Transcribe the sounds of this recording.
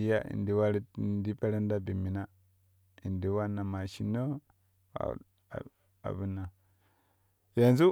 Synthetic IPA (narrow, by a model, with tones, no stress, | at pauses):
i˦ja̰˦ḭ˨ndi˨˦wa˦ɾi˦˨ndi˦pe˦ɾa˦n˦da˦bi˨mi˨na˦ | i˨ndi˨wa˦nːa˨ma˨ʃi˨no˦ | a̰˨ | a̰˨bu˦nːa˨ | ja˨nzu˦